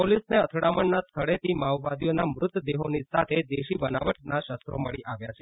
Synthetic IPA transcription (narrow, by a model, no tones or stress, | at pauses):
polisneət̪ʰɽaməɳnast̪ʰəɭet̪imaʋʋad̪ijonamɾʊt̪ːəd̪eɦonisat̪ʰed̪eʃibəna̰ʋəʈnaʃəst̪ɾo̰məɭiʔaʋjat͡ʃʰe